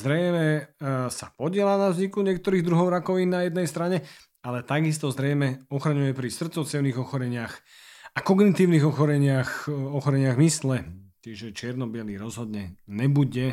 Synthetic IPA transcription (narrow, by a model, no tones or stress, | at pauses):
zɾɛjmɛsapɔɟɪɛlaːnavzɲikuɲɪɛk̚t̪ɔɾiːɣd̪ɾuɦɔʊɾakɔʋiːnːnajɛd̪nɛjst̪ɾaɲɛ | alɛt̪aɡist̪ɔzɾɛjmɛɔxɾaɲujɛpɾisr̩t̪t͡sɔt͡sɪɛʊniɣɔxɔɾɛɲɪax | akɔɡnit̪iːʊniɣɔxɔɾɛɲɪaxɔxɔɾɛɲɪaɣmislɛc̪ɪɛʒɛt͡ʃɪɛɾnɔbɪɛliːɾɔzɦɔd̪ɲɛɲɛbuɟɛ